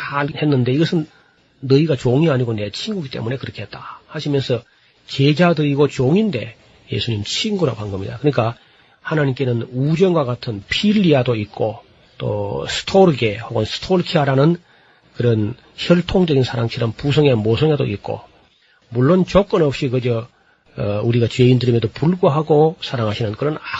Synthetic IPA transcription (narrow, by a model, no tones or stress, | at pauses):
henːɯnde̞iɡʌsʰɯnː | ʌiɡat͡ɕoŋiaɲiɡone̞t͡ɕʰiŋɡuɡit͈e̞̰mune̞kɯɾʌkʰiɦet̚t͈ahaɕʰimjʌnsʰʌ | t͡ɕe̞d͡ʑadɯiɡot͡ɕoŋinde̞̰ | je̞̰sʰuɲimt͡ɕʰiŋɡuɾa̰panɡɯmɲḭdakɯɲik͈a | hanaɲimk͈e̞nɯnud͡ʑʌnɡwakatʰɯnpʰiʎːiadoit̚k͈o | t͈o̰sʰɯ̥tʰoɾɡe̞hoɡʌnsʰɯ̥tʰoɾkʰiaɾanɯn | kɯɾʌn | çjʌɭtʰoŋd͡ʑʌɡinsʰaɾaŋt͡ɕʰiɾʌmpus̬ʰʌŋenmosʰʌŋado̰it̚k͈o̰ | muɭːont͡ɕok͈ɯnʌp̚ɕ͈ikɯd͡ʑʌ | uɾiɡat͡ɕe̞indɯɾimjʌdopuɭɡoɦaɡosʰaɾaŋɦaɕʰinɯnkɯɾʌna